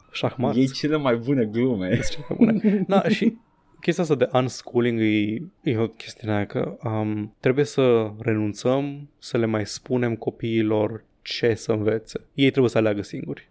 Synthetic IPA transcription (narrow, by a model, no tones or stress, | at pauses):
ʃaxmajejst͡ʃelemajbune̞ɡlumet͡ʃelema̰jbṵned̪aʃi | kʲest̪ijast̪ad̪e̞ʔanskʰuliŋɡɨjjeokʲʰe̞st̪iuneajakə̰əmt̪ɾe̞buje̞səre̞nunt̪səmsəle̞majspune̞mko̞piːlo̞r | t͡ʃe̞səɨnve̞t̪se̞jejt̪ɾebuje̞səaleaɡəsiŋɡurʲ